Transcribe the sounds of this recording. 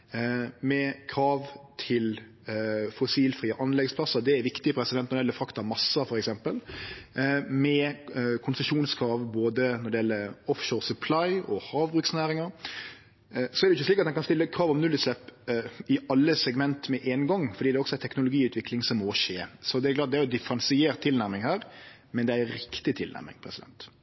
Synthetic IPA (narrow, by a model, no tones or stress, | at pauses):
mɛkʰɾɑːʋt̪ʰɪl | fʊsiːlfɾiːəʔɑnlɛɡspʰlɑsəɾd̪ɛæɾʋɪkt̪ɪəpʰɾɛsɪd̪ɛnnɔd̪ɛɛlːəfɾɑkt̪ɑmɑsːəfɔɾɛksɛmpəl | mɛkʰʊnsəʂuːnskʰɾɑːʋboːd̪ənɔɾɖ̪ɛjɛlːəɾɔfʃoːɾsʉpʰlɑɪɔhɑːʋbɾʉːksnæːɾɪŋɑɾ | sɔɛɾdɛʊɪçːəsliːkɑt̪hɛnkɑnst̪ɪlːəkʰɾɑːʋɔmnʉlːəslɛpːɪɑlːəsɛɡmɛnt̪mɛʔeːnɡɔŋːfɔɾɖiːd̪ɛɔksɔæɾt̪ʰɛknʊlʊɡiːʉːt̪ʋɪklɪŋsɔmːoːʃeːsɔd̪ɛæɾklɑːt̪̚d̪ɛæɾjd̪ɪfɾɑnsɪeːɾt̪ʰːɪlnæɾmɪŋhæːɾ | mɛnd̪ɛæɾɾɪkt̪ɪt̪ʰɪlnæ̰ɾmɪ̰ŋpʰɾɛsɪd̪ɛ̰nt̪